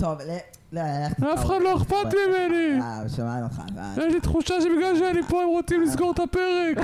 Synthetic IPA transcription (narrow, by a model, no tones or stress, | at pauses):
t̪ovl | lafeχad̪lo̞eχpat̪mimeniʃamanoa̰jɛʃlit̪χuʃaʃebiɡlalʃ̬eanipoemʁot͡simlis̬ɡoʁt̪apeʁek